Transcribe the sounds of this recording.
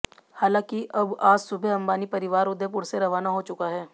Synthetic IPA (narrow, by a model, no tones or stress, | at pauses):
haːlãːkiʔɐbaːd͡ʒsʊbʱeɐ̃mbaːnipɐɾɪʋaːɾʊd̪ep̬ʊɾseɾɐʋaːnaɦot͡ʃʊkaɦɛː